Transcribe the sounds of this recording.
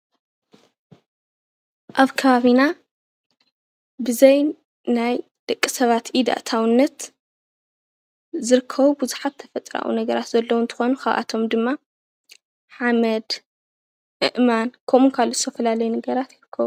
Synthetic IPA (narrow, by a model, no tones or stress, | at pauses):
ʔaβkʰɐβaβina | bɨzɐj | naj | d̪̥ɐkʼːisɐβat̪ʔid̪a̰ʔt̪ʰawnːɐt̪ | zɨɾɨkʰːɐβubuzuħat̪ʰːɐfɐt̪ʼɾa̰ʔwṵnɐɡɐɾat̪zɐlːowunt̪ʰɨ̥xo̞nukʰaβʔa̰t̪ʰo̞md̪ɨmːa | ħamɐd̪ | ʔɨ̰ʔmankʰɐmunkʰalːuzɨt̪ʰɐfɐlalɐjunɐɡɐɾat̪jɪɾɨkʰːɐβu